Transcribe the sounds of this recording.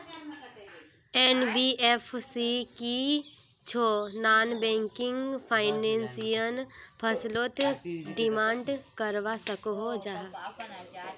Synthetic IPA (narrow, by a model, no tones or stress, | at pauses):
ɛːnbiːefʰsiki | t͡ʃʰoːnaːnbɛ̃ːŋkɪ̃ŋɡpʰaːɪnɛ̃ːnsijənpʰəsloːt̪ɖɪmãːɳɖkəɾʋasəkoɦod͡ʒaː